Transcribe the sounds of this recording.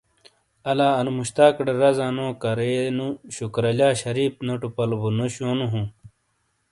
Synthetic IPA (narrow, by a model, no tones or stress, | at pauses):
ɐlaːɐnumuɕt̪aːkɽeɾɐzaːnõːkɐɾenuɕukɾɐlaːɕɐɾiːpnoʈupɐlbunoɕoːnuɦũ